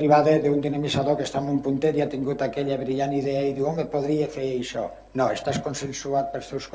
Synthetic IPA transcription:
ɾiβaðeðeund̪inemisaðokest̪amujpunt̪et̪iat̪iŋɡut̪akeʎaβɾiʎaniðeaiðuomepoðɾiefeejʃɔ | noest̪askonsensuat̪̚peɾst̪ewsk

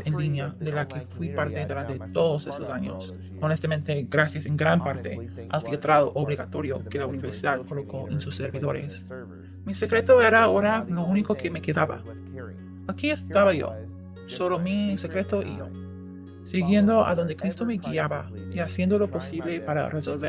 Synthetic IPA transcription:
enlinjaðelakefwipaɾt̪eðuɾant̪e̞t̪o̞ðose̞sosaɲo̰s | onest̪amẽnt̪eɡɾasjaseŋɡɾampaɾt̪ḛa̰lfilt̪ɾaðoʔoβliɣat̪o̞ɾjoke̞launiβeɾsiðaðkolo̞koʔensusːeɾβiðo̞ɾḛs | mise̞kɾe̞t̪oeɾaːoɾalo̞unikokemekeðaβa̰ | akiest̪aβaʝo̰ | soβlomise̞kɾe̞t̪oʔḭʝo̰ | siɣje̞nd̪oʔa̰ðo̞nd̪ekɾist̪o̞me̞ɣiaβaiasje̞nd̪oloposiβlepaɾa̰rʔeso̞lβeɾ

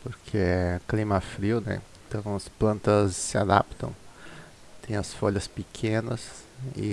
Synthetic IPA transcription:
poɾkʰeɛklĩmɐfɾiwnɛ̰ | t̪ɐ̃w̃ɐsplɐ̃nt̪ɐsːɪa̰d̪a̰pt̪ɐ̰̃w̃ | t̪ẽj̃ɐsfoʎɐspikʰẽnɐsɪ̰

